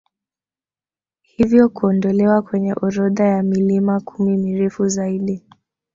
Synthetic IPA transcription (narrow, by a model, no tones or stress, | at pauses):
hivjɔkuɔndɔlɛwakwɛɲɛʔɔɾɔðajamilimakʰumimiɾɛfuzaiɗi